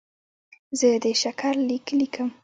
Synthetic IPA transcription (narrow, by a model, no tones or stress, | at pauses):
zəd̪əʃakʰaɾliklikʰəm